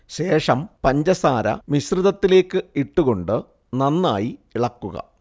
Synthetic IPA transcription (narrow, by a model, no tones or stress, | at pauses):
ɕe̞ːʂɐmpɐɲd͡ʑɐsaːɾɐ̰misriðɐt̪ːile̞ːkːɨiʈːuɣo̞ɳɖɨ | nɐnːa̰ːjiiɭɐkːuɣɐ̰